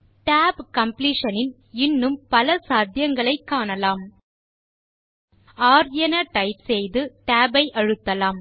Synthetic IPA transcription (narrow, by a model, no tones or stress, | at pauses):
ʈaːbkɐmpliːʂɐnɪn | ɪnːɯmpɐlɐsaːd̪ʱjɐŋɡɐɭɐɪkːaːɳɐlaːm | aːɾjɐnɐʈɐɪpsɛjðɯʈaːbɐɪʔɐɻɯt̪ːɐlaːm